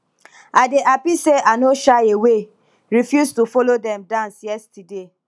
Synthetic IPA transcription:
adeʔapiseʔanoʃaewe | ɾifjustufɔlodɛ̃mdãnsjɛstide

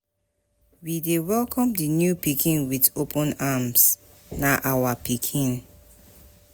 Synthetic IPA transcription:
widewɛlkʰɔ̃mdinjupikʰĩnwidopʰɔ̃nams | naʔawapikʰĩn

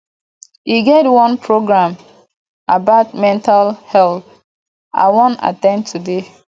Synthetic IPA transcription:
jiɡɛtwɔ̃npʰɹoɡɹãm | ʔabaʊt̚mɛ̃ntʰalhɛlp | ʔa̰ɪwɔ̃na̰tɛ̃ntʰude

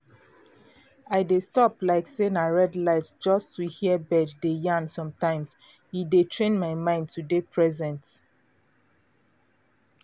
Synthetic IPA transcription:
aɪdestɔplaɪksenaɹɛdlaɪtd͡ʒɔstʰuhiɛbɛd͡ʒdejãnsɔ̃mtãɪ̃ms | hidetʰɹẽnmaɪmãɪ̃nd̚tudepʰɹɛzɛ̃nt

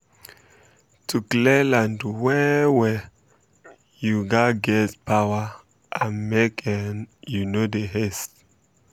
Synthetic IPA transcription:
tʰuklɛlãndwɛwɛ | juɡaɡɛtpʰawa | ʔamekʰɛnjunodeɦɛst

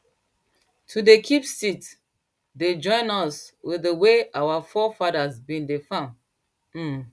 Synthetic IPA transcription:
tʰudekʰipsit | ded͡ʒɔ̃ɪ̃nɔswɪðəweʔawafɔfadazbĩndefãʊ̃n̩

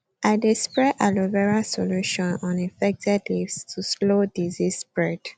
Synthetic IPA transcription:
aɪdispɹɛʔalɔvɛɹasoluʃɔ̃nɔ̃nĩfɛk̚tʰɛdlifstʰuslodizispɹɛd̥

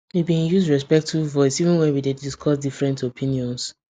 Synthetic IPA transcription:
wibĩnjuzdɹɛspɛk̚tulvɔɪsivə̃nwɛ̃nwidediskʰɔsdifɹɛ̃ntopʰĩniɔ̃ns

